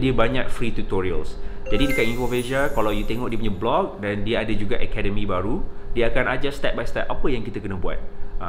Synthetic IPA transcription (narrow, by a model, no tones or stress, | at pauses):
diəbaɲãk̚fɾit̪ut̪ɔɾiə̰ls | d͡ʒadidəkat̪ĩnkofezakalawjut̪eŋɔʔ̚diəpuɲãblɔk̚dandiəadad͡ʒuɡaʔəkɛdəmĩbaɾudiəakanad͡ʒast̪ɛp̚bajst̪ɛp̚apəjaŋkit̪əkənə̃bua̰t̪̚